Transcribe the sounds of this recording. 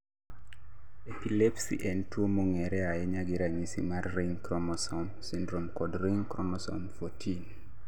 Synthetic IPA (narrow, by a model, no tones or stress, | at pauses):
epilepsḭʔɛntwomoŋɛɾɛajɛɲaɡɪɾaɲisḭmarːiŋkɾɔmɔsɔmsindɾomkɔdɾiŋkɾɔmɔsɔ̰mfotʰin